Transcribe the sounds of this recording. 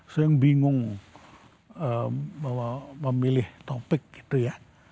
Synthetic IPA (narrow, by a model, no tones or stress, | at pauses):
sojɪŋbiŋʊŋ | əəməmilɪht̪opɪk̚ɡ̥i̥t̪uja